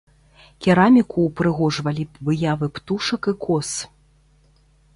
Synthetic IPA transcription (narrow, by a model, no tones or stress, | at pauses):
kʲɛɾamʲikuːpɾɨɣɔʐvɐlʲivɨjavɨpt̪uʂɐkikʰɔs